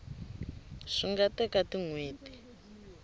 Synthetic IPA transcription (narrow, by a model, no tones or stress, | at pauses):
ʂiŋɡatɛkatiŋweːti̥